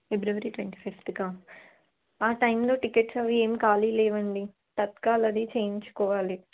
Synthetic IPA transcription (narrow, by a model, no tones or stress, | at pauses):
febɾuʋɐɾiːʈʋeɳʈiːpʰifʈ̪ɡaː | aːʈɐjmlo̞ːʈikeʈsɐʋieːmikaːlileːʋɐɳɖi | t̪ɐt̪kaːlɐd̪it͡ʃeːjiɲt͡ʃu̥kɔːʋaːli